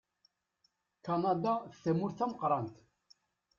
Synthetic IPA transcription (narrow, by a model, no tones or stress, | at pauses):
kɑnɑd̪aθθæmʊɾθæməqɾˤɑnt̪